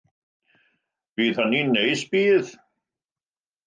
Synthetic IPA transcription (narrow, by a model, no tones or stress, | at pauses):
viːðhanːinejsbiːð